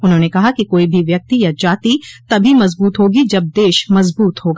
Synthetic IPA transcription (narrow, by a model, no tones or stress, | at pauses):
ʊnɦõːnekɐɦakikoːibʱiʋjɐk̚t̪ijad͡ʒaːt̪it̪ɐbʱimɐzbuːt̪ɦoːɡid͡ʒɐb̚d̪eːʃmɐzbuːt̪ɦoːɡa